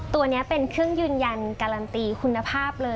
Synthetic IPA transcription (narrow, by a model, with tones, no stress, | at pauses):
t̪u˧ɐni˦˥ɐpe˧nkʰɯ˥˩əŋjɯː˧nja˧nkaː˧la˧nt̪iː˧˩kʰu˧nːa˧pʰaː˥˩p̚lɤː˧